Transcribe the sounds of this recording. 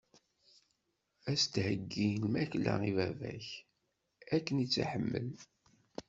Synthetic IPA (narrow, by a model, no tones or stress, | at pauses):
æst̪həɡːilmæçlæ̰ivævæç | ækːənit͡sːa̰ħəmːə̰l